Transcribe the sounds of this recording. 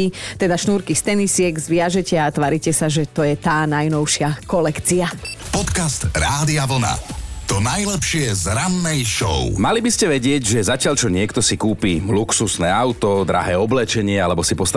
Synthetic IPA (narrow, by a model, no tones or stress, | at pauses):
it̪ɛd̪aʃnuːɾkist̪ɛnisɪɛɡzʋɪaʒɛcɛat̪ʋaɾicɛsaʒɛt̪ɔjɛt̪aːnajnɔʊʃɪakɔlɛkt͡siapɔt̪kast̪ɾaːd̪iaʋl̩na̰t̪ɔnajlɛpʃɪɛzɾanːɛjʃɔ̰ʊmalibiscɛʋɛɟɪɛɟʒɛzacɪaʎt͡ʃɔɲɪɛkt̪ɔsikuːpiːluksusnɛːaʊt̪ɔd̪ɾa̰ɦɛːɔblɛt͡ʃɛɲɪɛalɛbɔsipɔst̪a